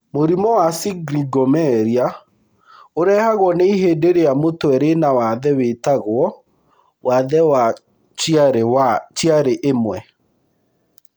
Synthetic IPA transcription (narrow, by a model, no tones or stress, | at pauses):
moɾimɔwasiɡɾiɡɔmɛɾia | oɾɛːhaɣwɔneiɦeːdeɾejamotwɛɾenawaðɛwetaɣwɔ | waðɛwa | t͡ʃjaɾewat͡ʃjaɾeʔemwɛ